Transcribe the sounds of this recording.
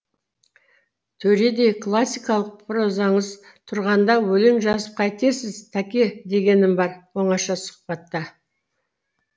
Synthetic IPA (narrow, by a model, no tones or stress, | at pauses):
t̪ʰɵɾe̞d̪e̞kʰlˠasʲːijkɑlˠəq̚pʰɾozɑɴəz | t̪ʰʊɾʁɑnd̪ɑwɵleŋʒɑzəp̚qʰɑjt̪e̞sɪzt̪ʰakʲe̞d̪e̞ɡʲe̞nɪmbɑɾwo̞ɴɑʃɑsʊ̥q̚pɑt̪ːɑ